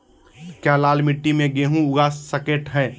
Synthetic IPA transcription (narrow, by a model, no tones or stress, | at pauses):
kjaːlaːlmɪʈːimẽɡeːɦũʊɡaːsːəkeːʈɦɛ̃ː